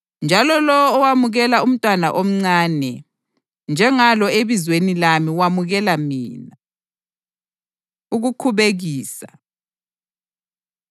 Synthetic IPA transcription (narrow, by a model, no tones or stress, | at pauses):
nd͡ʒʱalɔlɔwɔːwamuɣɛlaum̩tʼwana̰ʔom̩ŋ͡ǀaːnɛ | nd͡ʒʱɛŋalɔeβizwenilamiwamuɣɛlamiːna | uɣukʰuβeɣiːsa